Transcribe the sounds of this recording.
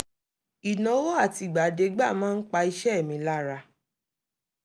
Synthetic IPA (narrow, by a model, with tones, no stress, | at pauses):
i˨nã˨˦wo˦a˦˨ti˨˧˨ɡ͡ba˨de˨˧ɡ͡ba˦˨mãː˦n̩˦k͡pa˧i˧ʃɛ˦˨mĩ˨˧˦la˦ɾa˧